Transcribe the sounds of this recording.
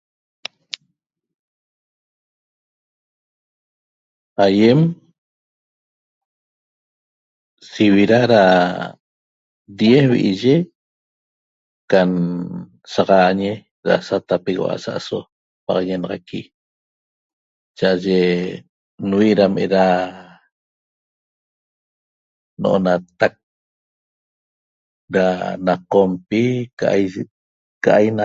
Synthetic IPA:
ajem | siβiɾaɾa | d̪jesβḭʔiʒe | kan | saʁɑɲe | ɾa̰sat̪apeɣo̰ʔa̰sa̰ʔaso | pɑ̰ʁɑɲenɑʁɑki | t͡ʃaʔaʒe | nwiʔɾamʔeɾa | no̰ʔo̰nat̪ak̚ | ɾanaqompika | kaʔajna

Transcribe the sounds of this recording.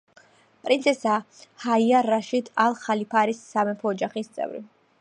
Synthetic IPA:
pʼɾinsʰɛsa | haiaɾaʃid̪alˠχalipʰaɾisːamɛpʰɔːd͡ʒaχist̪sʼɛ̰vɾḭ

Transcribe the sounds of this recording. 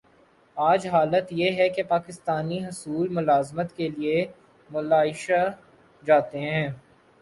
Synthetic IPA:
aːd͡ʒɦaːlət̪jeɦɛkepaːkɪst̪aːniɦʊsuːlmʊlaːzmət̪kelie | mʊlaːɪʃa | d͡ʒaːt̪eɦɛ̃ː

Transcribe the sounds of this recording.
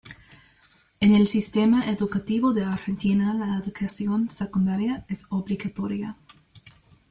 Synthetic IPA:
enelsist̪emaʔeðukat̪iβoðeaɾxent̪inalaeðukasjonsekund̪aɾjaesoβliɣat̪oɾja

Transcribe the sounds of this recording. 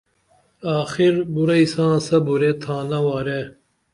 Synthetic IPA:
aːxiɾbuɾɐisãːsɐbuɾet̪ʰãːnɐwaːɾe

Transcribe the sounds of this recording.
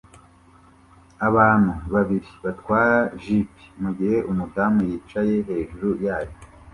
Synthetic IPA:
aβaːn̥huβaβiɾiβatkwaːɾaʒipi̥muɡihe̞ʔumudaːmujiːt͡ʃaje̞ɦe̞ːʒuɾujaːjo

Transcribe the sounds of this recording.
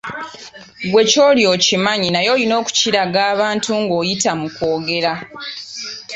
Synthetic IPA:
ɡwe̞co̞ːljo̞ːcimaɲinajo̞jino̞ːku̥ciɾaɡaːβaːntuŋɡo̞ːjitamuko̞ːɡe̞ɾa

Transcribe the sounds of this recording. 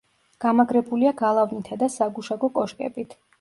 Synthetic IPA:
ɡ̥amaɡɾɛbuliaɡalˠavnit̪ʰad̪asaɡuʃaɡɔkʼɔʃkʼɛ̰bit̪ʰ

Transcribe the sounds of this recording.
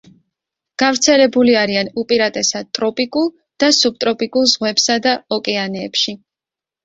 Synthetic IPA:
ɡ̥avɾt̪sʰɛlɛbuliaɾianupʼiɾat̪ʼɛsad̪̚t̪ʼɾɔpʼikʼulˠ | d̪̥asub̚t̪ʼɾɔpʼikʼulˠzʁwɛbsad̪aɔkʼɛanɛːpʃi

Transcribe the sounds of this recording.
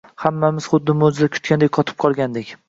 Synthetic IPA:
hamːamɪz̥χʊd̪ːɪmod͡ʒ̪ɪd̪akʲʰʊ̥t̪̚kʲand̪ejʲqʰɒt̪ʰɪ̥p̚qʰɒlˠɡʲand̪ekʲ

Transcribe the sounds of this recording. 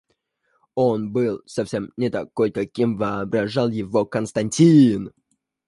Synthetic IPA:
o̞nbɨlˠsɐfsʲemnʲɪt̪akːolʲkɐkʲimvəɐbɾɐʐɑlˠjɪvokənst̪ɐnʲtʲin

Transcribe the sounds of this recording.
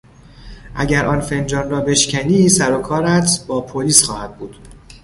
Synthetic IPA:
ʔæɟæɾʔɒːnfe̞nd͡ʒɒːnɾɒːbe̞ʃcʰæniːsæɾokʰɒːɾæt̪ʰb̥ɒːpʰoliːsxɒːhæd̪̚buːd̪̥

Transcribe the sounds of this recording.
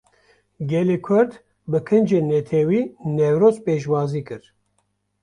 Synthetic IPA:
ɡʲɛlekʷʰʊɾd̪ | bɨkʰɨnd͡ʒeːnːɛt̪ʰɛwiːnɛwɾoːzpeːʃwɑːziːkɨɾ

